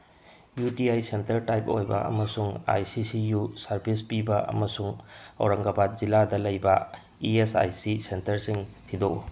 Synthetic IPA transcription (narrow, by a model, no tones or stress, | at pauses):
jutiajsentɐɾtajp̚o̰jbɐ̰ɐ̰mɐsuŋa̰jsisijusaɾbʱispibɐʔɐ̰mɐsuŋɐ̰wɾɐŋɡɐbat̚ziladɐlɐjbɐ | iesa̰jsisentɐɾsiŋtʰidokṵ